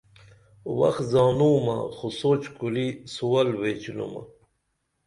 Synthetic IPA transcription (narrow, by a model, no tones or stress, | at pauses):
wɐ̰xzɑːnuːmɐ̰xusot͡ɕkulisuwɐlweːt͡ɕilṵmɐ̰